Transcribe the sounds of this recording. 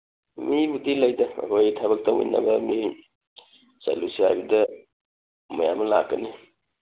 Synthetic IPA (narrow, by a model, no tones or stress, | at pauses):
mibudilajdɐɐ̰kʰojtʰaβɐk̚taṵjna̰bɐmi | sa̰lusia̰jbidɐ | mɐjamɐlaɡɐni